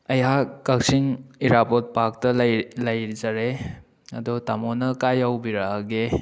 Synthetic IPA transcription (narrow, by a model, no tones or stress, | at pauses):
ɐjɦak̚kak̚siŋiɾapot̚pak̚tɐllɐjzaɾe | ɐ̰dɔtamonɐkajawbiɾaɡe